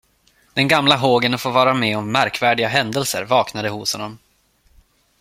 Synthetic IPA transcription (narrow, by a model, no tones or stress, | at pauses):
d̪̥ɛnɡamlaɦoːɡənɔfoːvɑːɾamɛːɔmːæɾkvæːɖɪɡaɦɛnd̪əlsə̰ɾvɑːknad̪əhʊshɔnːɔm